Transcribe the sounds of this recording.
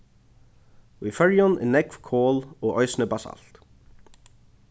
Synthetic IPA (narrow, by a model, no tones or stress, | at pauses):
wifœɹjɔnɪ̰nɛkfkʰɔːlɔɣɔɥsnɪbasa̰lt̪